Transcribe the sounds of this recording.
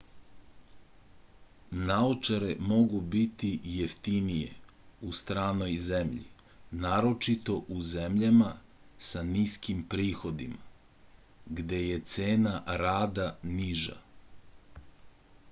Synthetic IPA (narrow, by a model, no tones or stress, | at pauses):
naot͡ʃaɾemo̞ɡubit̪ijeft̪inijḛ | ust̪ɾaːno̞jze̞mʎḭ | naːɾo̞t͡ʃit̪o̞ʔuze̞mʎama | saniskimpɾiːxo̞d̪ima | ɡd̪e̞je̞t̪se̞ːnaɾaːd̪aniʒa̰